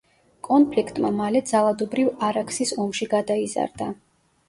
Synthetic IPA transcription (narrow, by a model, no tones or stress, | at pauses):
kʼɔnpʰlikʰt̪ʼmamalɛd̪zalˠad̪ɔbɾivaɾakʰʼsisɔmʃiɡad̪aiza̰ɾd̪a